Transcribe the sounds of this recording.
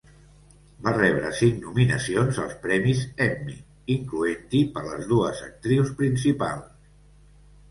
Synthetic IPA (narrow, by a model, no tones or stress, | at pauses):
barɛβɾə̰siŋnuminə̰sionzə̰lˠspɾɛmizɛmḭ | iŋkluent̪ipəɾlə̰zðuəzə̰k̚t̪ɾiwspɾins̬ipa̰lˠs